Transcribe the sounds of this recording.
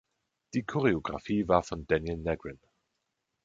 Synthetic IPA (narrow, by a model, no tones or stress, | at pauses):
d̥iːkʰɔʁeoɡʁafiːvaːɐfɔndɛnjəlnɛɡɹɪn